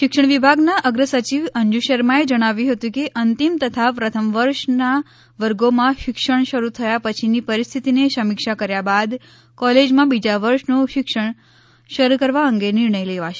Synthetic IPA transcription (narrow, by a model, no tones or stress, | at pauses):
ʃɪkʃəɽ̃ʋibʱaɡnaʔəɡɾəsət͡ʃiʋəɲd͡ʒuʃəɾmaed͡ʒəɽ̃aʋjũɦət̪ũkeʔənt̪imt̪ət̪ʰapɾət̪ʰəmʋəɾʃna | ʋəɾɡomãʃɪkʃəɳ̃ʃəɾut̪ʰəjapət͡ʃʰinipəɾist̪ʰit̪ineʃəmɪkʃakəɾjabad̪ | kɔled͡ʒmãbid͡ʒaʋəɾʃnoʃɪkʃəɳ̃ | ʃəɾukəɾʋaəŋɡenɪɾɳəjleʋaʃe